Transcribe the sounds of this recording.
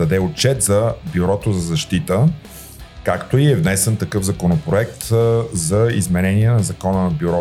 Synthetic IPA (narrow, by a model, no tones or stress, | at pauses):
ɐd̪ɛot̚t͡ʃɛt̪zɐbjuɾɔt̪ozɐzɐʃt̪it̪ə | kakt̪oiɛvnɛsɛnt̪ɐkɤvzɐkonopɾoɛk̚t̪zɐizmɛnɛniɛnɐzɐkɔnənɐbjuɾɔ